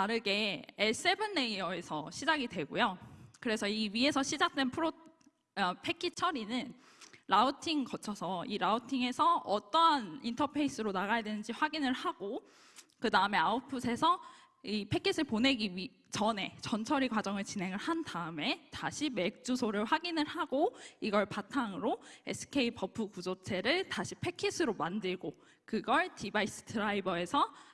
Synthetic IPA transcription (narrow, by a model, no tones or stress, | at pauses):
aɾɯɡe̞es͈e̞bɯnːeiʌesʰʌɕʰid͡ʑaɡidwe̞ɡojokɯɾe̞sʰʌiɥie̞sʰʌɕʰid͡ʑak̚t͈e̞npʰɯɾo | ʌpʰe̞kʰit͡ɕʰʌɾinɯn | ɾautʰiŋkʌt͡ɕʰʌsʰʌiɾautʰiŋe̞sʰʌʌt͈ʌnintʰʌpʰe̞is͈ɯɾonaɣajadwenɯnd͡ʑiɸwaɡinɯɭhaɡ̥o | kɯdaɯme̞aupʰɯsʰe̞sʰʌ | ipʰe̞kʰis͈ʰɯɭpone̞ɡii | t͡ɕʌne̞t͡ɕʌnt͡ɕʰʌɾikwad͡ʑʌŋɯɭt͡ɕinɦe̞ŋɯɭhandaɯme̞taɕʰime̞k̚t͡ɕ͈usʰoɾɯɭɸwaɡinɯɭhaɡoiɡʌɭpatʰaŋɯɾoḛsʰɯ̥kʰe̞ipʰʌpʰɯkud͡ʑot͡ɕʰe̞ɾɯɭtaɕʰi̥pʰe̞kʰːis͈ʰɯɾomandɯɭɡo | kɯɡʌɭtibais͈ʰɯ̥tʰɯɾaibʌe̞sʰʌ